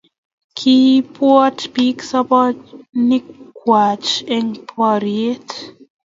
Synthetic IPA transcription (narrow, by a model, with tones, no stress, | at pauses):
kʰi˦pwɔ˦tpi˦ksɔ˦pɔ˦ni˦kːwa˨t͡ʃɛŋpʰɔ˧ɾie˦t